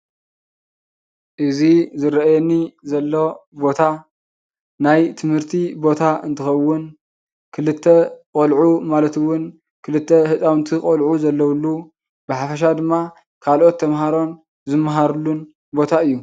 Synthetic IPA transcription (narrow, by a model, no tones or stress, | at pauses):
ʔɨzizɨɾɐajɛnːizɐlːo̞bo̞t̪ʰa | najt̪ʰɨmhɨɾt̪ʰibo̞t̪ʰaɨ̰nt̪ʰɨxɐwːʊn | kʰɨlɨt̪ʰːekʼolʕumalɐt̪ɨwːʊn | kʰɨlɨt̪ʰːehɨt͡sʼawnt̪ʰikʼolʕuzɐlːɐwlːu | bɨħafɐʃ̬ad̪ɨmːa | kʰalʔo̞t̪ʰːɐmɦaɾo̞n | zɨmːɦaɾlːun | bo̞t̪ʰaɨjːu